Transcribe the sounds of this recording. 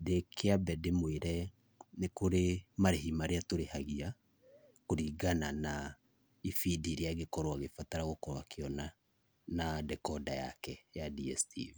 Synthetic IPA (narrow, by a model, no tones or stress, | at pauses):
dekʰeabɛdemweɾɛ | nekoɾemaɾeɦimaɾeatoɾehaɣia | koɾiɡanana | ifidiɾeaɣekɔɾwaɣefataɾaɣokɔɾwakeɔna | nadɛkɔdaja̰kɛjadiɛstḭv